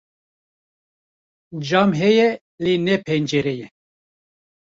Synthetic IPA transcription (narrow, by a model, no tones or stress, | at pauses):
d͡ʒɑːmɦɛjɛ | lenɛpʰɛnd͡ʒɛɾɛjɛ